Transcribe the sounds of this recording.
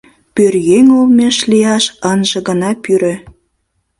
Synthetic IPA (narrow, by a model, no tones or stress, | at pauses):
pørjeŋulmeʃlijɑʃənʒĕɣə̆nɑpyɾø̆